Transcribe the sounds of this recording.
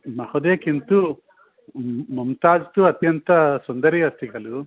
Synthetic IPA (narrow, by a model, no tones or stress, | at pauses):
mɐhod̪eːkint̪u | mɐmt̪aːd͡ʒt̪uɐt̪jɐnt̪ɐsund̪ɐɾiɐst̪iɡɐlu